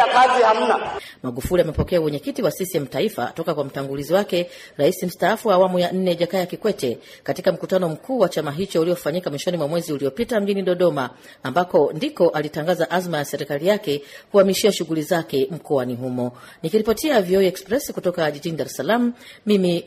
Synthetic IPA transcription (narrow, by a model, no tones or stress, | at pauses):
akaziham̩namaɠufuliamɛpɔkɛawɛɲɛkitiwasisiɛm̩taifa̰tɔkakwam̩taŋɡuliziwakɛ | ɾaisim̩staafuwaːwamujan̩nɛʄakajakikwɛtɛ | katikam̩kutanɔm̩kʰuːwat͡ʃamaɦit͡ʃɔuliɔfaɲikamwiʃɔnimwamwɛziuliɔpitam̩ʄiniɗɔɗɔmaː | mbakɔndikɔʔalitaŋɡazaʔazmajasɛɾɛkalijakɛkuamiʃiaʃuɣulizakɛm̩kɔaniɦumɔ | nikiɾipɔtiaviɔiɛkspɾɛsikutɔkaʄiʄiniɗaɾɛsalam̩ːimi